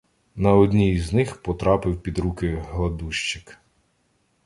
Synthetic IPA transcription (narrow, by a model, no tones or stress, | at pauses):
nɐɔd̪ʲnʲiznɪxpɔt̪ɾɑpɪwpʲid̪ɾukɪɦlˠɐd̪uʃt͡ʃɪk